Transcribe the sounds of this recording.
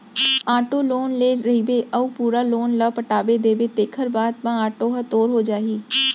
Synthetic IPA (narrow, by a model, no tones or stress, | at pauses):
aːʈoːloːnleːɾəɦiːbeːʔəuːpuːɾaːloːnləːpəʈaːʋeːd̪eːʋeːt̪eːkʰəɾbaːd̪mãːaːʈoːɦət̪oːɾɦoːd͡ʒaːɦiː